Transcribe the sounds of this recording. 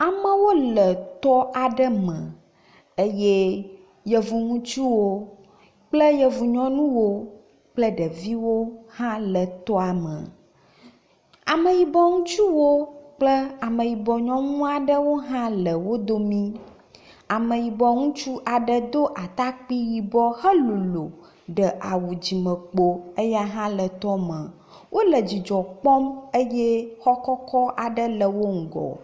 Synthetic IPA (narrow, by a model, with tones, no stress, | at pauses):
a˨mə̃˦wo˦lə˨t̪ɔ˦a˨ɖə˦mə̰̃˨ | e˦je˦ | jə˨vu˨ŋũ˦t͡ʃu˦wo˦ | k͡plə˦jə˨vu˨ɲɔ̃˦nũ˦wo˦ | k͡plə˦ɖə˨vi˦wo˦hã˦lə˨t̪ɔ˦a˨mə̰̃˨ | a˨mə̃˨ji˨bɔ˦ŋũ˦t͡ʃu˦wo˦k͡plə˦a˨mə̃˨ji˨bɔ˨ɲɔ̃˦ŋũ˦a˨ɖə˦wo˦ɦã˦lə˨wo˦d̪o˦mĩ˦ | a˨mə̃˨ji˨bɔ˨ŋũ˦t͡ʃu˦ʔa˨ɖə˦d̪o˦ʔa˨t̪a˦k͡pi˦ji˨bɔ˦hə˦lu˨lo˨ | ɖə˨ʔa˨wu˨d͡ʑi˨mə̃˨k͡po˦ə˦ja˦ɦã˦lə˨t̪ɔ˦mə̃˨ | wʔo˦lə˨d͡ʑi˨d͡ʒɔ˨k͡pɔ˦mə˦jɛ˦xɔ˦kɔ˦kɔ˦ʔa˨ɖə˦lə˨wo˦ŋ̩˨ɡɔ̰˨